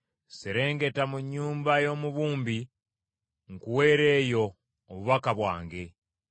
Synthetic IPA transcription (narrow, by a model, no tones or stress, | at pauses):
seɾe̞ːŋɡe̞tamuɲːuːmbajo̞ːmuβuːmbi | ŋkuwe̞ːɾe̞ːjo̞ː | βuβakaβwa̰ːŋɡe̞